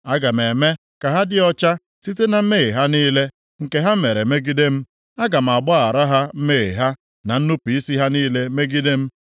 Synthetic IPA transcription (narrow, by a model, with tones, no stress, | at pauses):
a˦ɡa˨m̩e˨me˦ | ka˨ɦa˦dɪ˦ɔ˦t͡ʃa˦ | si˦te˦na˨m̩˦me˦˨e˨ɦa˦niː˦le˦ | ŋ̩˨ke˦ɦa˦m̩˦me˨ɾe˨me˦ɡi˦de˦m̩˦ | a˦ɡa˨m̩˨a˨ɡ͡bɔ˦a˨ɾa˦ɦa˦m̩˦me˦˨ḛ˨ɦa˦ | na˨n̩˦nu˦pi˨i˦si˦ɦa˦niː˦le˦me˦ɡi˦de˦m̩˦